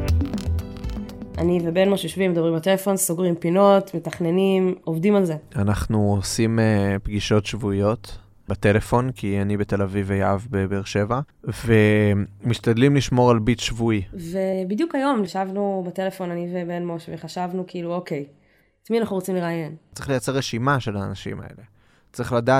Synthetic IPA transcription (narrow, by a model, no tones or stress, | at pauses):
ʔanivebe̞nmoʃjoʃvimedabimbat̪e̞lefo̞nsoɡʁimpino̞tmetaχne̞nimovdimalze̞anaχnuosimepɡiʃo̞tʃvuijo̞t̪ | batelefo̞nkianibete̞lavivejaavbebeʁʃe̞va | ve̞miʃtadlimliʃmo̞ʁalbitʃvuivebidjukajo̞mniʃavnubate̞le̞fo̞nanivebenmoʃveχaʃavnukiiluoke̞j | tmianaχnuʁot͡simle̞ʁaːje̞nt͡sʁiχlejat͡seʁeʃimaʃe̞laːnaʃḭma̰ḛle̞ | t͡sʁiχladaː